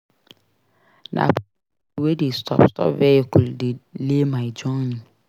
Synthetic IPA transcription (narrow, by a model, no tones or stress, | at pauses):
nʔa̰ | wedistʰɔ̰pstɔ̰pvɛkʊldɪlemaɪd͡ʒɔnn